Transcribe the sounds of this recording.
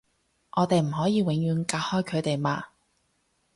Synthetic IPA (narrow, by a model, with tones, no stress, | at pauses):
ʔɔː˨˧t̪e˨jm̩˨˩ɦɔː˨˥jiː˨˧wɪ˨˥ŋjyː˨˧nkaː˧t̚hɔː˥jkʰɵ˨˧ɥt̪e˨jmaː˧